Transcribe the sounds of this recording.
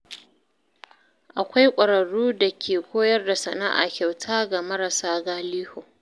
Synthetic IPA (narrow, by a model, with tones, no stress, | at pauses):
ʔa˨kʷa˦jkʷʼɐ˨ɽɐ˨ɽuː˦da˨kʲʰeː˨kʷoː˦jɐ˦rda˨sɐ˨na̰˦ʔa̰˨kʲa˨wtʰaː˦ɡa˨mɐ˦ɾa˨saː˦ɡaː˦liː˦hoː˨